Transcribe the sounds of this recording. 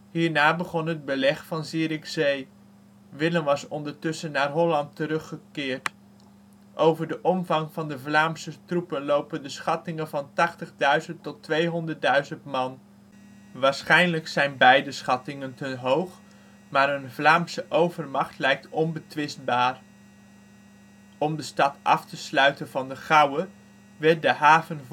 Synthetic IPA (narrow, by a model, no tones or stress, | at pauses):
ɦiːɹnaːbəχɔnɦəd̚bəlɛχfɑnziːɾɪksej | ʋɪləmʋɑsɔndəɹtɵsənaːrɦɔlɑntəɾɵχəkɪːɹt | ʔowvəɹdəʔɔmvɑŋvɑndəvlaːmsətrupənlowpəndəsχɑtɪŋənvɑntɑχtəχdœɥzəntɔtʋejɦɔndəɹt̚dœɥzəntmɑn | ʋaːɹsχɛjnləksɛjnbɛjdəsχɑtɪŋəntəɦowχ | maːɾənvlaːmsəʔowvəɹmɑχtlɛjk̚tɔnbətʋɪst̚baːr | ɔmdəstɑtʔɑ̰ftəslœɥtənvɑndəχɑwə | ʋɛɹt̚dəɦaːvən